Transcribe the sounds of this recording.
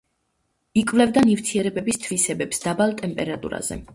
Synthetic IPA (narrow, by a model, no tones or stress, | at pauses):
ikʼvlɛvd̪anivt̪ʰiɛɾɛbɛbist̪ʰvisɛbɛpsd̪̥abalˠt̪ʼɛmpʼɛɾat̪ʼṵɾa̰z̥ɛ̰